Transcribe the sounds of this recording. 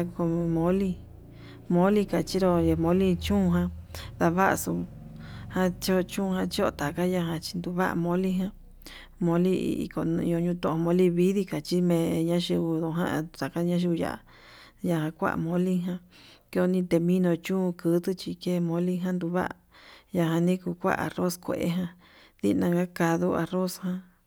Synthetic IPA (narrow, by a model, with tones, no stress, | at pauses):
a˧ko˧mõ˦li˦˧ | mõ˦li˦ka˨t͡ʃi˦ɾo˧e˧mõ˧˦li˦t͡ʃũ˦˧ɦã˧ða˧βa˦ʔsu˧ | hã˦t͡ʃo˦˧t͡ʃũ˦˧hã˧t͡ʃi˦o˦˧˨t̪a˨ka˦ja˧ɦã˧t͡ʃi̥˧nd̪u˧βa̰˦ʔmõ˧˦li˦ɦã˦ | mõ˧˦lḭ˦˧ḭ˧ko˧ñ̰˧õ˧ɲũ˧t̪õ˦˨õ˧mõ˧˦li˦βi˦ði˦ka˨t͡ʃi˦mẽ˧ɲã˦ʃi˧βu˧ðõ˧ɦã̰˦˧t̪a˨ka˦ɲã˦ʃ̬i˧ja̰˨ʔa̰˨ | ja˧hã˧kʷa̰˦ʔmõ˧li˦ɦã˧˦ke˦˧o˧nĩ˧t̪e˧mĩ˦nõ˧t͡ʃũ˦˧kɨ˧˦t̪ɨ˦t͡ʃi˧ke˦˧mõ˧li˦ɦã˦nd̪u˧βa̰˦ʔja˧ɦã˧nĩ˦ku˧kʷa̰˦ʔa̰˨ro˦skʷḛ˨ʔḛ˧˦ɦã˧ | ðḭ˦˧nã˧ŋɡa˦ka˧ðu˦a˧ro˦shã˧